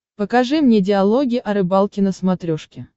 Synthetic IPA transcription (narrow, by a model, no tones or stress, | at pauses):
pəkɐʐɨmnʲedʲɪɐlˠoɡʲɪʔɐɾɨbalˠkʲɪnəsmɐt̪ɾʲoʂkʲɪ